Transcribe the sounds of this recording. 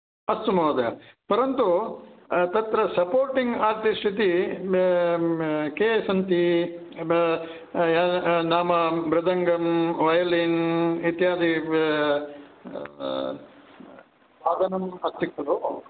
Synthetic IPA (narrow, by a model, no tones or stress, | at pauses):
ɐst̪umɐːd̪ɐjɐpɐɾɐnt̪u | t̪ɐt̪ɾɐsɐpoːɾʈiŋɡaːɾʈ̪isʈʰit̪i | keːsɐnt̪i | aːnaːmɐbɾɐd̪ʱɐŋɡɐmʋɐjɐlinit̪jaːd̪i | baːd̪ɐnɐmɐst̪ikɐlu